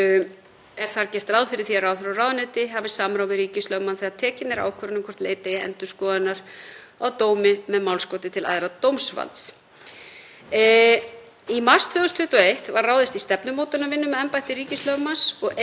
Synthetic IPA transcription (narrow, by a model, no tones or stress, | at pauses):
ɛɾ̥θaɾcɛst̪rawðfɪɾɪɾ̥θiarawðfɾawrawðʏnejt̪ɪɦaːvɪsamɾawvɪɾiːcɪst̪lœwmanθɛaɾt̪ʰɛːcɪt̪nɛɾa̰ːwkʰvœɾʏnɪkʰɔr̥t̪lḛːjt̪aiɛ̰nt̪ʏ̥skɔːðɪnːaɾ̥ | awt̪oːwmɪmɛðmawlskoːwt̪ɪt̪ʰɪlʔa̰ðɾat̪owmsva̰lt̪s | imḁst̪ʰfʏɣʏst̪ʰʏht̪ɔejht̪varraːwðɪst̪ist̪ɛpnʏmoːwt̪ʏnːavɪnːʏmːɛɛmpajht̪ɪɾiːcɪst̪lœwmasɔɣ